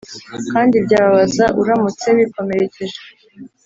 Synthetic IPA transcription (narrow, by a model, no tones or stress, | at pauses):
kaːndibɟaːβaβazaʔuɾamut͡se̞βiko̞me̞ɾe̞ceʒe